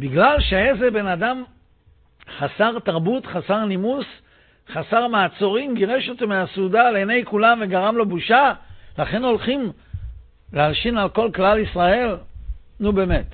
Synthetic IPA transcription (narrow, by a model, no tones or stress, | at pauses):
biɡlalʃeezebe̞nad̪am | χasaʁt̪aʁbut̪χasaʁnimus | χasaʁmaːt͡so̞ʁimɡiʁeʃot̪emeasud̪alenejkulamveɡaʁamlo̞buʃalaχe̞no̞lχim | lealʃinalko̞lklalisʁae̞lnubeme̞t̪